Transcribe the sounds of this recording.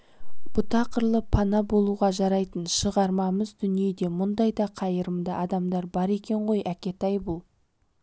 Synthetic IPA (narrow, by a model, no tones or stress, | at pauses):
b̥ʊt̪ʰɑqəɾlˠəpʰɑnɑbo̞lˠuʁɑʒɑɾɑjt̪ənʃəʁɑɾmɑməzd̪ʏnije̞d̪e̞mʊnd̪ɑjd̪ɑqʰɑjəɾəmd̪əʔɑd̪ɑmd̪ɑɾbɑɾe̞kʲe̞ɴʁo̞jʔækʲe̞t̪ɑjbʊlˠ